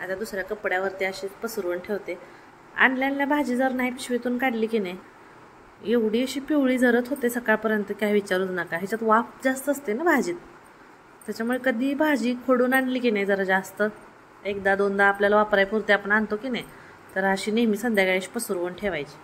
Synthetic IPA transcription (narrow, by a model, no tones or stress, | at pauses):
at̪jad̪usɾjakəpɽjaʋəɾt̪eaɕiːpəsuɾʋəɳʈʰeʋt̪e | a̰nljanljabʱad͡ʑiːd͡zəɾnaɦipiɕʋet̪uːnkaɽliːkina | jeʋɽ̤iːəɕiːpiʋɭiːd͡zʱəɾət̪ɦot̪esəkaɾpəɾjənt̪əkaɦjʋit͡ɕaɾuːt̪nakaɦit͡ɕat̪ʋapd͡zast̪əəst̪enabʱad͡ʑiːt̪̚ | t̪ːjat͡ɕamuɭekəd̪ʱiːbʱad͡ʑiːkʰoɽuːnaɳliːkinajd͡zəɾd͡zast̪ə | ek̚d̪ad̪ond̪aːpljalaʋapɾajpuɾt̪eapəɳant̪okinaj | t̪əɾaɕiːneɦmiːsənd̪ʱjaɡaɽaɕi̥ːpəsuɾʋəɳʈʰeʋajt͡ɕi̥